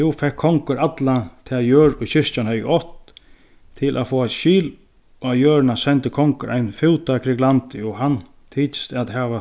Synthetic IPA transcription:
jufɛkʰːɔŋkəɾat̪lat̪ʰɛːjøːɾʊjçɪʂt͡ʃanhœjɔht̪ | t̪ʰɪlʔa̰fɔːaʃiːl | ɔajøːɾnasɛnt̪əkʰɔŋkəɾʔa̰jnfɪwt̪akʰɾɪklant̪ɪɔɦan | t̪ʰiːt̪st̪aðɦɛːʋa

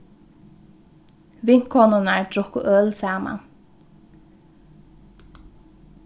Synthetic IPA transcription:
vɪŋ̥kʰɔnʊnaɹt̪ɾʊhkʊ̰ʔœːlsaːma̰n

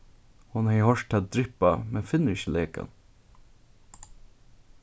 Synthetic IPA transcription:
hʊnhæɪhɔʃʈʰɑd̪ɾɪpɑmɛnfɪnːəɾɪçəlʔeːkɑ̰n

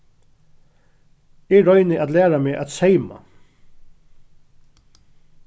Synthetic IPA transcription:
ɛɹɔʏnɪʔad̪læːɾameːʔat̪seɪma̰

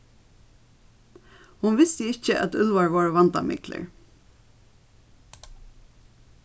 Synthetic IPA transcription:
hʊnʋɪst̪əɪt͡ʃəʔæ̰t̪ʉlʋaɹʋɔːɹʋɑnt̪amɪ̰klə̰ɹ

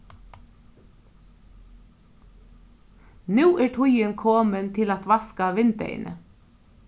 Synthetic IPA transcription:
nʉːʔæːʈʰʊjənkʰoːmənt̪ʰɪlɑt̪ʋɑskɑʋɪnd̪ḛɪ̰nʔə̰

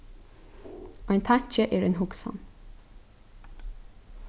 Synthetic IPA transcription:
oːæɪnt̪ʰɑɲc͡çəʔeːɹeːnhʊksɔ̰n

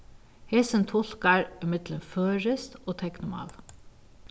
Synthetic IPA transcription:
hɛsənt̪ʰɔlkɑɹɪmɪd̪lənføːɹɪst̪oːt̪ʰɛknʊmɑ̰ːl

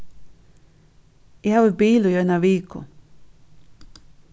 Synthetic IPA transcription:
jawebiːlojojnaʋiːkʰo̰

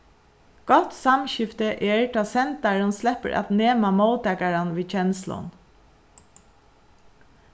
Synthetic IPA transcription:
ɡ̥ɔt̪samɕɪft̪əʔeːɹʈ̪ʰɑːsɛnt̪aɹənslɛpə̰ɹʔa̰t̪neːmamoʊt̪ɛkaɹanʋiːt͡ʃɛnslɔ̰n

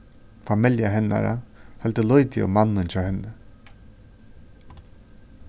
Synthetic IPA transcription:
famɪljaɦɛnːa̰ɾa̰hɛlt̪əlɔjt̪ɪa̰manːɪnt͡ɕʰɔːhɛnːə

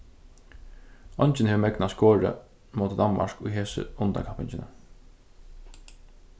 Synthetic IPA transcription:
ɔɲt͡ʃɪnhɛːʋmɛknaskoːɹə̰ | mɔːt̪əd̪anma̰ɹkʊjɦeːsə̰ʊnd̪a̰kʰapɪɲt͡ʃɪnə̰

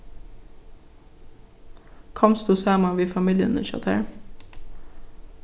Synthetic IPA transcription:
kʰɑmst̪uːsæːmɑʋiːfɑmiljə̰nə̰ʃɑ̰t̪ʰæ̰ːɹ

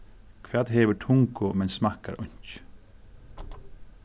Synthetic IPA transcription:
kʰʋɛːt̪ɦɛːʋəʈʰʊŋkʊmɛnsmahka̰ɾʊ̰ɲ̥t͡ʃ

